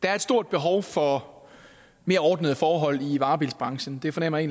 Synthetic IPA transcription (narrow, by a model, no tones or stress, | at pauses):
d̥ɑ̈æɐed̥sd̥o̝ɐ̰d̥̚b̥e̝ɦɒʊfɒ̽ | me̝ːɐɒːd̥nəð̩ˠfɒːɦɒ̽l̰iʋɑ̈ːb̥ilsb̥ʁɑ̈ŋɕn̩d̥e̝fɒ̽nem̰ɐe̝ːn